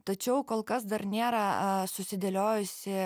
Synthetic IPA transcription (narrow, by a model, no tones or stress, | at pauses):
t̪ɐt͡ʃʲɛʊkoːlˠkɐsd̪ɐrnʲeːɾɐsʊsʲɪd̪ʲelʲoːjʊsʲɪ